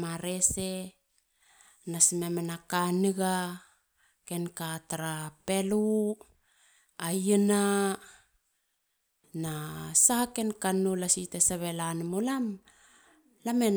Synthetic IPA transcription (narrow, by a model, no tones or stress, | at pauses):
maɾese | nasimemenakanɨɡa | ke̞nkataɾapelu | ajina | nasaakenkanulasitesaβelanmulam | lamen